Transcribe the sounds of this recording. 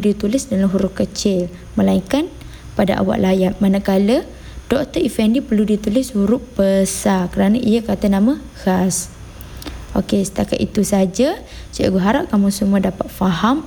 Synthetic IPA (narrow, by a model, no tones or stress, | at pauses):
dit̪ulɪsdalamɦuɾʊʔkət͡ʃɪl | məlaiŋkan | pada̰ʔa̰wa̰ʔlajat̪̚manakalə | d̥ɔk̚t̪əifɛndipərludit̪ulɪshuɾʊʔ̚b̥əsarkəɾanaʔijakat̪anãmã | ɣ̥as | ʔokesə̥t̪aka̰t̪ḭt̪usaad͡ʒa | siʔa̰ɡuɦaɾaʔ̚kamʊsumuadapat̪̚faɦam